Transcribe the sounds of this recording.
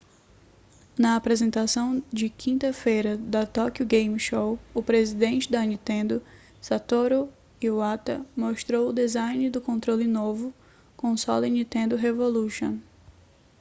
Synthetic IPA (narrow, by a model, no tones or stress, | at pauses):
nɐapɾezẽnt̪asɐ̃w̃d͡ʒɪkʰĩnt̪ɐfejɾɐd̪ɐt̪ɔkʊɡẽjmʃowʊpɾezid̪ẽnt͡ʃɪd̪ɐnĩt̪ẽnd̪ʊ | sat̪oɾo | iwat̪ɐ̰moʃt̪ɾowʊd̪ezajnɪd̪ʊkõnt̪ɾolɪnovʊ | kõsɔ̰lĩnĩt̪ẽnd̪ʊɦevoluʃõ̰